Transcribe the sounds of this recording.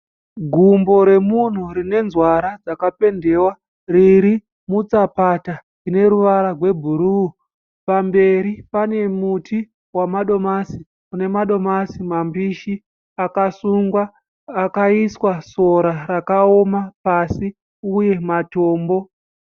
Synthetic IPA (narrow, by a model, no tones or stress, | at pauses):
ɡʱumbo̞ɾe̞mun̤urine̞nzwaɾad͡zakape̞nde̞ːwa | riɾi | mut͡sapata | ine̞ɾuʋaɾarwe̞bʱuɾu | pambe̞ɾipane̞muti | wamaɗo̞masi | une̞maɗo̞masimambiʃi | akasuŋɡwaː | kaiswaso̞ɾaɾakao̞mapasi | uje̞matoːmbo̞